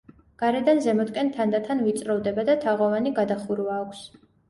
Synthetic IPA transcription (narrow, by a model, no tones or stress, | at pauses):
ɡ̥aɾɛd̪anzɛmɔt̪kʼɛnt̪ʰand̪at̪ʰanvit̪sʼɾɔvd̪ɛbad̪at̪ʰaʁɔvaniɡad̪aχuɾuvaːkʷʰs